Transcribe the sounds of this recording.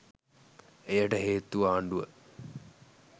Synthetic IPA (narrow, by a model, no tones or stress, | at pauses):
ejəʈəɦeːt̪uʋaːɳɖuʋə